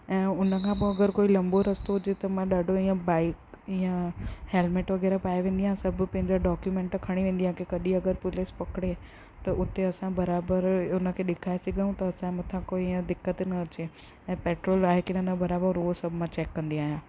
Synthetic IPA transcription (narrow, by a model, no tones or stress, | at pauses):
ɛ̃ːʊnə̆kʰãːp̬oɐɡəɾkoːilɐ̃mboɾɐst̪oɦʊd͡ʑet̪ɐmãɗaːɖʱoĩːãbaːɪkɪjãheːlmeːʈʋɐɡɛːɾapaːeʋẽːnd̪iãsɐb̆ʱpɐ̃ɦɪ̃ɲd͡ʑaɖɔːkjumẽːɳʈkʰɐɽ̃iʋẽːnd̪iãkekɐɗiɐɡəɾpʊlɪspɐkɽe | t̪ɐʔʊt̪eɐsãbɐɾaːbəɾʊnə̆kʰeːɗɪkʰaːeseɡəjũt̪ɐːsãmɐt̪ʰãkoːiɪə̃d̪ɪkːət̪nɐɐt͡ɕe | ɛ̃ːpeːʈɾoːlaːɦekɪnənəbɐɾaːbəɾosɐbʱʊmãt͡ɕeːkːɐ̃nd̪iaːɦjãː